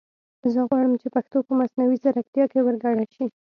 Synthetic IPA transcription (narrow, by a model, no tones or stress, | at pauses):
zəɣwɑɽəmt͡ʃepaxt̪opəmasnawizaɾak̚t̪jɑkewəɾɡaɽaʃi